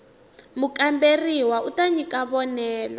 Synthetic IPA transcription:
mukʼamberiwautaɲikʼaβɔnɛːlɔ

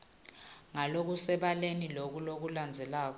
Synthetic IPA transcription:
ŋalok̬usɛɓalenilok̬ulok̬uland͡zʱɛlaːk̬ɔ

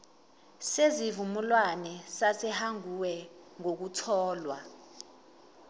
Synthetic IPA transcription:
sezivumulwanɛsasɛhaŋuwɛŋok̬utʰɔːlwa̰

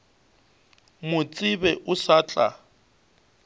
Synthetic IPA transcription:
mʊt͡sʼɪbɛʔʊsaːt͡ɬʼa̰

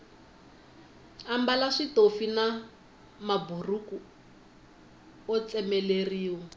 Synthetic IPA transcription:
ambalaʂitofina | maburuku | ɔt͡sɛmɛleriːwɔ

